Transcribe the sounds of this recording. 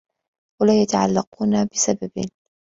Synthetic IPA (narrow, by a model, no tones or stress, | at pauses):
walaːjat̪aʕa̰lːaquːnabɪsababɪ̰n